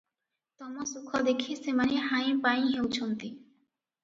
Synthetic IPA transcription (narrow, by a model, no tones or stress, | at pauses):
t̪ɔmɔsukʰːɔd̪ekʰisemaniɦajpaj̃ɦewt͡ɕʰont̪i